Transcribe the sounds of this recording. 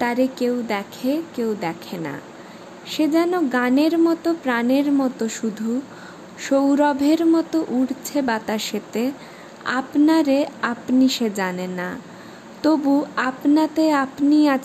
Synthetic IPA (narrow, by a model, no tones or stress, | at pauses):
t̪aɾekewd̪ɛkʰekewd̪ɛkʰena̰ | ʃed͡ʑɛnoɡaneɾmɔt̪opɾaneɾmɔt̪oʃud̪ʱu | ʃowɾɔbʱeɾmɔt̪oʔuɽt͡ɕʰebat̪aʃet̪e | a̰pnaɾeapniʃed͡ʑanena | t̪obuapnat̪eapnia